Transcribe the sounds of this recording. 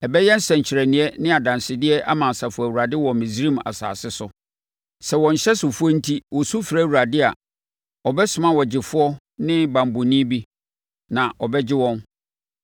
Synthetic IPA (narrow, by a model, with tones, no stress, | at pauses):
ɛ˨bɛ˦jɛ˦n̩˦sɛ̃˨ɲ̩˨t͡ɕʰɪ˨ɾɛ˨nɪ̃˨ɛ˦nɪ̃˦a˨dã˨nsɪ˨dɪ˦ɛ˦ʔa̰˦mã˨n˨sa˨fʊ˨æ˨wu˨ɾa˨dɪ˦wɔ˨mɪ̃˨si˦ɾĩ˦m˨a̰˨sa̰ː˨sɪ˦sʊ˨ | sɛ˨wɔ̃˨ɲ̩˨ɕɛ˦sʊ˨fʊ˦ɔ˦n̩˦tʰi˦wɔ˨su˦fi˨ɾæ˦˨wu˨ɾa˨dɪ˦a̰˨ | ɔ˨bɛ˦sʊ˨mã˦wɔ˨d͡ʑɪ˨fʊ˦ɔ˦ | nɪ̃˦bã˨m˨bʊ˨nĩ˦bi˦ | nã˨ʔɔ˨bɛ˦d͡ʑɪ˦wɔ̃˦n